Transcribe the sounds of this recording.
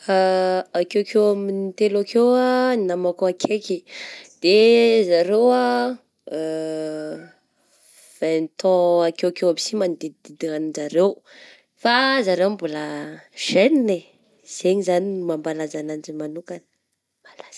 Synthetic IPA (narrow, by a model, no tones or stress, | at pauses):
faakewkʰewaminit̪elakewaninamakoakʰekid̪̥ezaɾewa | v̥anit̪ʰɔ̃akewakewamisimand̪id̪̥id̪ianizaɾew | fazaɾewmbulaʒ̥enine | z̥eɲizanimambalazanand͡ʒimanukan | mbalaz̥